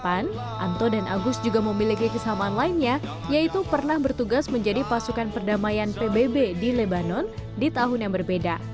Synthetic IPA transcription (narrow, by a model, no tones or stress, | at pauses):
pan | ʔa̰nt̪ɔdanʔa̰ɡʊst̪̚d͡ʒuɡaməmilikikəsəɦamaːnlaɪnɲa | jait̪upərnahbərt̪uɡasməɲd͡ʒadipasukanpərdamajanpebebedilebanɔndit̪aɦʊnjaŋbərbeda